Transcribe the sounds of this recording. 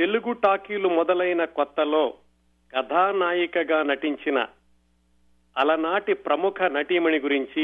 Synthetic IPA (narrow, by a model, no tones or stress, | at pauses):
t̪e̞luɡuʈaːkiːlumɔd̪ɐlɐjnɐkɔt̪ːɐlo̞ː | kɐd̪ʱaːnaːjikɐɡaːnɐʈiɲt͡ʃinɐ̰ | ɐlɐnaːʈipɾɐmukʰɐnɐʈimɐniɡuɾiɲt͡ʃi